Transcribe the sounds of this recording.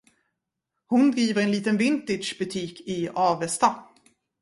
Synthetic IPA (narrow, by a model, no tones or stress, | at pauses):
hʊnd̪ɾiːvəɾɛnliːt̪ənvɪnt̪ɪdʂbɵt̪ʰiːkɪɑːvɛst̪a